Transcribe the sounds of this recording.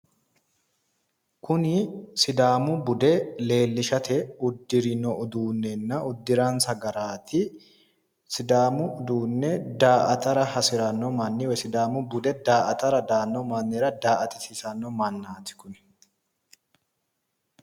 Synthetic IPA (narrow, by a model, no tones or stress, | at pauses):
kʊnɪsɪd̪aːmʊbʊd̪ɛle̞ːlːɪʃɐt̪ʰɛʊd̪ːɪɾɪnɔʔʊd̪uːnːɛnːɐʊd̪ːɪɾaːnsɐɡɐɾaːt̪ʰɪ | sɪd̪aːmʊʔʊd̪uːnːɛd̪aːʔɐt̪ɐɾɐhɐsɪɾɐnːɔmɐnːɪwɛsɪd̪aːmʊbʊd̪ɛd̪aːʔɐt̪ɐɾɐd̪aːnːɔmanːɛɾɐd̪aːʔɐt̪ɪsɪsɐnːɔmɐnːaːt̪ɪ̥kʊn